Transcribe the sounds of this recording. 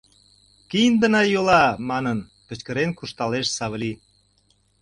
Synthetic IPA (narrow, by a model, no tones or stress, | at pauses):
kijənd̪ənɑjolɑmɑnən | kə̆t͡ɕkə̆ɾenkuʃt̪ɑleʃsɑβəli